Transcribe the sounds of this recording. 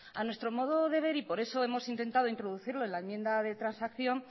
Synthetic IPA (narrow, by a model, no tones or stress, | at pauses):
anwe̞st̪ɾo̞mo̞ð̞o̞ðe̞β̞e̞ɾipo̞ɾe̞so̞e̞mo̞sint̪e̞nt̪aðo̞int̪ɾoðuθiɾlo̞e̞nlaemje̞nd̪aðe̞t̪ɾansakθjo̞n